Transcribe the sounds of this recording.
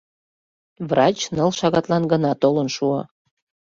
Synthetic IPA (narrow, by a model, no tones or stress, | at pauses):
vrɑt͡ɕnəlʃɑɣɑt̪lɑnɡənɑt̪olənʃuɑ̰